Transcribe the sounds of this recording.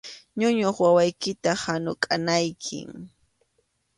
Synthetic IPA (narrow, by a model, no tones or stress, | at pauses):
ɲʊɲoχwawajkɪt̪ahanʊkʼanajkʰɪ̰ŋ